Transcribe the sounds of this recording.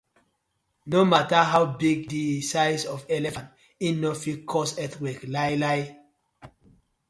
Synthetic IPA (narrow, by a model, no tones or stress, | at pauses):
nomataɦawbiɡdisaɪsɔvɛlɛfãnt | ĩnɔfikʰɔsɛtwɛklaɪlaɪ